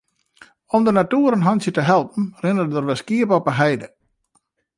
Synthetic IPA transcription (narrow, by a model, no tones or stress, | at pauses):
ɔmdənatuːəɾənɦɔnsjətəɦɛlˠp̚n̩rɪnədərʋɛskiəpɔpəɦɛjdə